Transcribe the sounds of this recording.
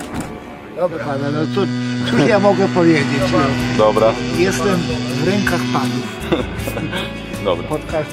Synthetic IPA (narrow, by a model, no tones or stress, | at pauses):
d̪ɔbɾad̪anɔt̪sɔsuʃjamɔɡɛpɔvʲjed͡ʑet͡ɕd̪ɔbɾajɛst̪ɛmvɾɛŋkaxpanuf | d̪ɔbapɔt̪ka